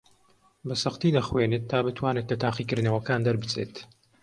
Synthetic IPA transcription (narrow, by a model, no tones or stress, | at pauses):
bɐsɐχt̪iːd̪ɐχwenet̪ʰːaːbɨt̪ʰwaːnet̪lɐt̪ʰaːqiːkɨɾd̪nɐwɐkaːnd̪ɐɾbɨt͡seːt̪